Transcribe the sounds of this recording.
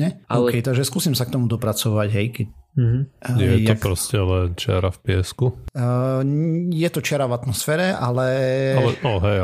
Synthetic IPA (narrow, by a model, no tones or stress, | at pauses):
ɲɛɔʊkɛjt̪aɡʒɛskuːsimsak̚t̪ɔmud̪ɔpɾat͡sɔʋaɟɦɛjkɛ | ɲɪɛjɛtːj̪ɔpɾɔscɛlɛnt͡ʃɛ̰ɾafpɪɛsku | jɛt̪ɔt͡ʃɪɛɾavat̪mɔsfɛːɾɛalɛalɛɔɦɛ